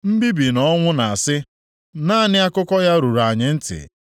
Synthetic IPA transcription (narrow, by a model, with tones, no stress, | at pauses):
m̩˦bi˦bi˨nɔ˦ŋʷʊ˦na˨a˨sɪ˦ | naː˦˨nɪ˦a˦kʊ˦kɔ˦ja˦ɾu˨ɾa˨ɲɪ˨n̩˦tɪ̰˨